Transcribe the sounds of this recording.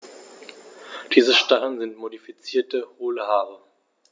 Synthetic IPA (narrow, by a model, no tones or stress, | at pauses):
d̥iːzəʃtaʁənzɪntmodifit͡siːɐtəhoːləhaːʁ̞ə